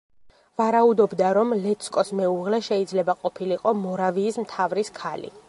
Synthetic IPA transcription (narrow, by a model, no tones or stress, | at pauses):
vaɾaud̪ɔbd̪aɾɔmlɛt̪sʰkʼɔsmɛuʁlɛʃɛid̪zlɛbaqʼɔpʰiliqʼɔmɔɾaviːsmt̪ʰavɾiskʰalḭ